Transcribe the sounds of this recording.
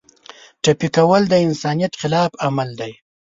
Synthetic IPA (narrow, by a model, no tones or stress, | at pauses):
ʈapikawəld̪əɪnsɑnijat̪xɪlɑfamald̪aj